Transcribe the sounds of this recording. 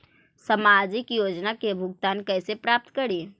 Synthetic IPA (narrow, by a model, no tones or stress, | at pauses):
sɐmaːd͡ʒɪkjoːd͡ʒnakebʱʊɡt̪aːnkɛːsepɾaːp̚t̪kɐɾiː